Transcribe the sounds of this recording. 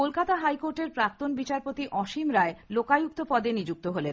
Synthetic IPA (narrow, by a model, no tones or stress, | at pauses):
kolkat̪aɦajkoɾʈeɾpɾak̚t̪onbit͡ɕaɾpot̪iʔɔʃimɾaelokajuk̚t̪opɔd̪enid͡ʑuk̚t̪oɦolen